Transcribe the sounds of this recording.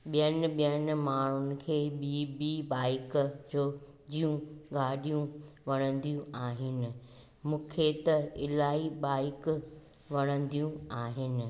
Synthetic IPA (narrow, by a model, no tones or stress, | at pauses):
ɓijənɪ̆ɓijənɪ̆maːɳ̤ʊnɪ̆kʰeːɓiːbiɓaːɪkd͡ʑoː | d͡ʑiːjũɡaːɗijũʋɐɽ̃ə̃nd̪ijũaːɦɪnɪ̆ | mũːkʰet̪ɐɪlaːɦiɓaːɪk | ʋɐɽ̃ə̃n̆d̪ijũaːɦɪnɪ̆